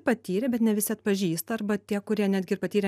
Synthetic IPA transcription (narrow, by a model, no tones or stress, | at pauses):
pɐt̪ʲiːɾʲɛbʲɛt̪nʲɛʋʲɪsʲɪɐt̪̚pɐʒʲiːst̪ɐɐrbɐt̪ʲiɛkʊɾʲiɛnʲæːd̪ʲɡʲɪɾpɐt̪ʲiːɾʲɛ